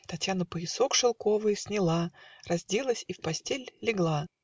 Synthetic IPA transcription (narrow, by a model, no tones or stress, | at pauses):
t̪ɐtʲjanəpəɪso̞kʂɨlˠko̞vɨjsʲnʲɪlˠarɐzʲdʲe̞lˠəsʲifpɐsʲtʲelʲːɪɡlˠa